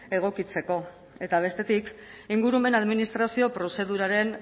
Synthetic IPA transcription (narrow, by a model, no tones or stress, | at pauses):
e̞ɣ̞o̞kit͡se̞ko̞ | e̞t̪aβ̞e̞st̪e̞t̪ikiŋɡuɾume̞naðminist̪ɾasio̞pɾo̞se̞ðuɾaɾe̞n